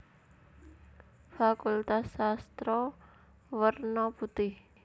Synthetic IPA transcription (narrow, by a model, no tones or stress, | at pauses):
fakult̪asːast̪ɾɔ | wərnɔput̪ɪh